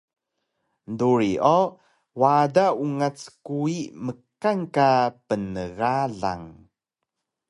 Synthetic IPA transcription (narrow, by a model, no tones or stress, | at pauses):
nduɾiʔo | wadauŋat͡skuiʔməkaŋkapənəɣaɮa̰ŋ